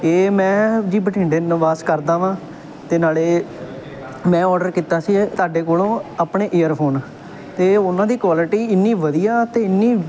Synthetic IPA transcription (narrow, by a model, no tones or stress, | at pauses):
eːmɛ̃ːd͡ʒiːbəʈʰĩːɳɖeːnəʋaːskəɾd̪aːʋãː | t̪eːnaːleː | mɛ̃ːɔːɾɖəɾkiːt̪aːsiːt̪aːɖeːkoːlõːaːpɳeːʔeːəɾpʰoːn | t̪eːʊnãːd̪iːkʋaːlɪʈiːɪnːiːʋəd̪ijaːt̪eːɪnːiː